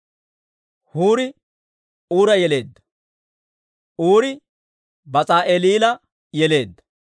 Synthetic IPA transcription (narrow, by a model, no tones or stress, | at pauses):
huːɾɪ | uːɾɐjɛle̞ːd̪ːɐ̥ | ʔuːɾɪ | bɐt͡sʼaːʔeːliːlɐ | jɛle̞ːd̪ːɐ̥